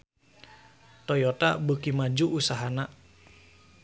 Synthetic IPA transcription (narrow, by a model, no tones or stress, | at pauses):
t̪ɔjɔt̪a̰bəkimad͡ʒuʔusaɦana